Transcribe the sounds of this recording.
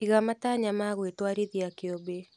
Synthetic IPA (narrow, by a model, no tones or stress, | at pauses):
iɣamataɲamaɣwetwaɾiðiakiɔbe